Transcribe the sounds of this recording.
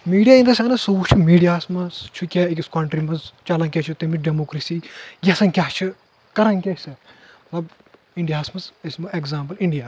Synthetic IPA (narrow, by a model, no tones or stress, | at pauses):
miːɖjaːind̪ɐsʲɐnɐsoːut͡ʃʰumiːɖijaːsmɐst͡ʃʰukʲeikʲiskɐɳʈɾimɐzt͡ʃɐlɐnkʲet͡ʃʰut̪emiɖemoːkɾesiːɡʲesɐnkʲaːt͡ʃʰɨ | kɐɾɐnkʲesɐɐt̪lɐb | iɳɖijaːsmɐsɐsmɐeɡzaːmpɐliɳɖijaː